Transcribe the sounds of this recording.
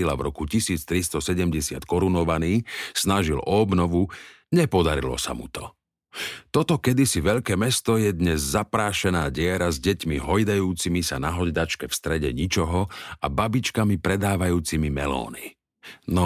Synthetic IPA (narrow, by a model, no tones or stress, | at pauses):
ilavɾɔkucisiːt͡st̪ɾist̪ɔsɛɟɛmɟɛsɪa̰t̪kɔɾunɔʋaniːsnaʒilɔːbnɔʋu | ɲɛpɔd̪aɾḭlɔ̰sa̰mṵt̪ɔ | t̪ɔt̪ɔkɛd̪isiʋɛʎkɛːmɛst̪ɔjɛd̪ɲɛzzapɾaːʃɛnaːɟɪɛɾazɟɛcmiɦɔjd̪ajuːt͡simisa̰naɦɔɟd̪at͡ʃkɛfst̪ɾɛɟɛ̰ɲit͡ʃɔɦɔababit͡ʃkamipɾɛd̪aːʋajuːt͡simimɛ̰lɔ̰ːni | nɔ